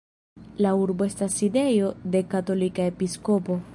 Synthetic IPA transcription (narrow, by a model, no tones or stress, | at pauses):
lauɾbo̞e̞stasːide̞jo̞de̞kato̞likae̞pisko̞po̞